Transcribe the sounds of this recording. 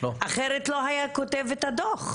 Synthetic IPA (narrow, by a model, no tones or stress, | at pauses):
loaχeɾet̪loɦajakot̪evet̪ad̪oχ